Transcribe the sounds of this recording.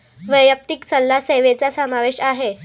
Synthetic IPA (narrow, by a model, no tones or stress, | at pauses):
ʋəjək̚t̪iksəlːaseʋet͡sasəmaʋeɕaɦe